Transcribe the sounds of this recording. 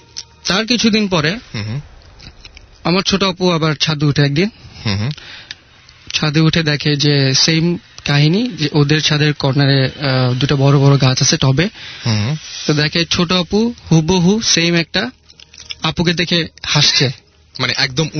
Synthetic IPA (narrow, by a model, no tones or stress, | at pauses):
t̪aɾk̬it͡ɕʰud̪inpɔɾe | amaɾt͡ɕʰoʈoapuabaɾt͡ɕʰad̪uuʈʰeɛk̚d̪in | t͡ɕʰad̪uuʈʰed̪ɛkʰed͡ʑesemkaɦiniʔod̪eɾt͡ɕʰad̪eɾkɔɾnaɾed̪uʈabɔɾobɔɾoɡat͡ɕat͡ɕʰeʈɔbe | t̪od̪ɛkʰet͡ɕʰoʈoapuhuboɦusemɛk̚ʈa | apuk̬ed̪ekʰehaʃt͡ɕʰe | maneʔɛk̚d̪om